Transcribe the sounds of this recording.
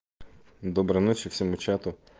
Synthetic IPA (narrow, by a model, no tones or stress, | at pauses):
d̪ɔbɾɐnɔt͡ʃɪw̥sʲɔmut͡ʃat̪ʊ